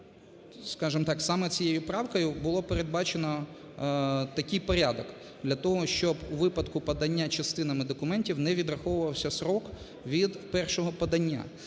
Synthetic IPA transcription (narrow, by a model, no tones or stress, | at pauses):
skɑʒɪmt̪ɑksɑmɛt͡sʲijejʊpɾɑwkɔjʊbʊlˠɔpeɾe̞d̪̚bɑt͡ʃenɔ | t̪ɐkɪjpɔɾʲad̪ɔk | d̪lʲɐt̪ɔɦɔʃt͡ʃɔbuʋɪpɐd̪kʊpɐd̪ɐnʲːat͡ʃɐst̪ɪnɐmɪd̪ɔkʊmɛnʲtʲiwnɛʋʲid̪rɐxɔʋʊʋɐwsʲɐsɾɔk | ʋʲid̪pɛrʃɔɦɔpɐd̪ɐnʲːa̰